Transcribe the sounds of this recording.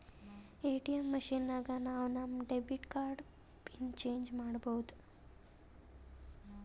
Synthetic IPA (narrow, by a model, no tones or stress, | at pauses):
eʈijəmːəɕinːaɡanawnamɖebiʈkaɾɖ | pint͡ɕeɲd͡ʑmaɽbowt̪